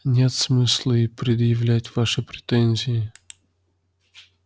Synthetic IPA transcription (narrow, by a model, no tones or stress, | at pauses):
nʲe̞t̪smɨslˠəɪpɾʲɪd̪jɪvlʲætʲvaʂɨpɾʲɪt̪ɛnʲzʲɪɪ